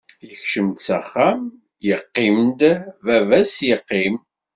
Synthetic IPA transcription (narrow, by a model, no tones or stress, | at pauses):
jəçʃəmt̪sæχːæm | jəqːimd̪vævæsjəqːim